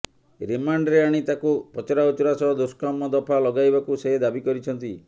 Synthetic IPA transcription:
ɾimaɳɖɾeaɽ̃it̪akupɔt͡ʃɔɾaut͡ʃɔɾasɔɦɔd̪uskamɔd̪ɔpʰalɔɡajbakuseɦed̪abikɔɾit͡ʃʰɔnt̪i

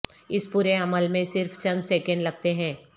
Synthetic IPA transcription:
ɪspuːɾeɐməlmẽsɪɾft͡ʃɐ̃nd̪sɛːkə̃ɳɖlɐɡ̚t̪eɦɛ̃ː

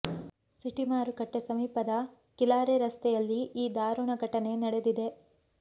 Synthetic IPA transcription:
siʈimaːɾukɐʈːesɐmiːpɐd̪ɐ | kilaːɾeɾɐst̪ɛjɐlːiiːd̪aːɾuɳɐɡʱɐʈɐne̞nɐɽe̞d̪id̪e̞

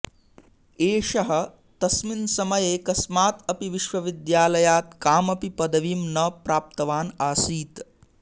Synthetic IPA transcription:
eːʃɐɦɐ̆ | t̪ɐsminsɐmɐjeːkɐsmaːt̪ɐpiʋiʃʋɐʋid̪jaːlɐjaːt̪kaːmɐpipɐd̪ɐʋiːmnɐpɾaːp̚t̪ɐʋaːnaːsiːt̪

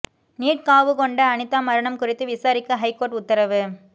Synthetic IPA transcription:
niːʈ̚kaːʋɯkɔɳɖɐːnɯt̪ːaːmɐɾɐɳɐmkʊrɪt̪ːɯʋɪsaːɾɪkːɐɦɐɪkːoːɾʈʊt̪ːɐɾɐʋɯ

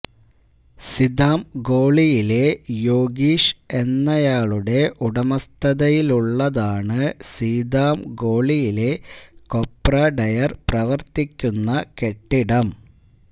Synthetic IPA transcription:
sid̪aːmɡo̞ːɭijile̞jo̞ːɡiːʂe̞nːɐjaːɭuɽe̞ʔuɽɐmɐst̪ɐðɐjiluɭːɐðaːɳɨsiːd̪aːmɡo̞ːɭijile̞ko̞pːrɐɖɐjɐrprɐʋɐrt̪ikʲːunːɐke̞ʈːiɽɐm

